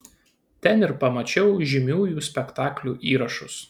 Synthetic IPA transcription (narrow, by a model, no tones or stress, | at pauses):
t̪ʲɛnɪɾpɐmɐt͡ʃʲɛʊʒʲɪmʲuːjuːsʲpʲɛkt̪ɑːklʲuːʔiːɾɐʃʊs